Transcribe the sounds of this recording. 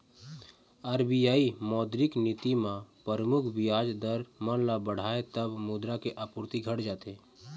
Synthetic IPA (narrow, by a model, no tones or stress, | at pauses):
əɾbijaːimɔːd̪ɾɪknit̪imãpəɾəmʊkʰbʱijaːd͡ʒd̪əɾmə̃nlabəɽ̤aːet̪əbmud̪ɾakeʔapuɾt̪iɡʱəɽd͡ʒaːt̪eː